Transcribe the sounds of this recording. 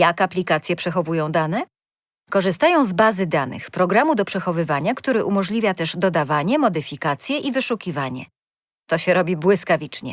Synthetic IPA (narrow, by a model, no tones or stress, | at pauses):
jakaplʲikat̪sʲjɛpʂɛxɔvujɔ̃w̃d̪anɛ | kɔʐɘst̪ajɔ̃w̃zbazɘd̪anɘ̰xpɾɔɡɾamud̪ɔpʂɛxɔvɘvaɲakt̪uɾɘʔumɔʐlʲivʲjat̪ɛʐd̪ɔd̪avaɲɛmɔd̪ɘfʲikat̪sʲjɛʔivɘʂukʲivaɲɛ̰ | t̪ɔɕɛɾɔbʲibwɘskavʲit͡ʂɲɛ